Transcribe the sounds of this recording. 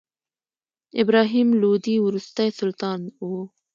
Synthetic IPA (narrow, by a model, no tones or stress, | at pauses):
ɪbɾɑɦimlod̪iwɾust̪ajsʊlt̪ɑno